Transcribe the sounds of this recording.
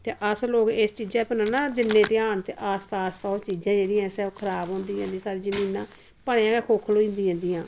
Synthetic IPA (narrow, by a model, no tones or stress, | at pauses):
t̪eːʔəsloːkeːst͡ʃiːd͡ʒãːpənaːnaːd̪ɪnːẽːt̪eːaːnt̪eʔaːst̪aːst̪aːot͡ʃiːzãːd͡ʒeːɽĩːãːsɛːokʰəɾaːbɦõːnd̪iːãːnd̪isaːɾiːzəmiːnãː | pəɳeːãːkɛːkʰoːkʰloːind̪iːɦãːnd̪iːãː